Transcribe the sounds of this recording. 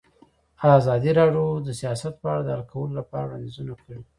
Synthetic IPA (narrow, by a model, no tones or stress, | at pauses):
azɑd̪iɾɑɖjod̪əsijɑsat̪̚pəaɽad̪əhalkʰawəlolapɑɾawɽand̪izunakəɽi